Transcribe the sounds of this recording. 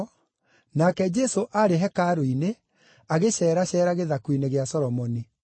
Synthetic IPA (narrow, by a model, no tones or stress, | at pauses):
nakɛd͡ʒɛsoʔaɾeɦɛkaɾoine | aɣeɕɛːɾaɕɛːɾaɣeðakwineɣeasɔɾɔmɔni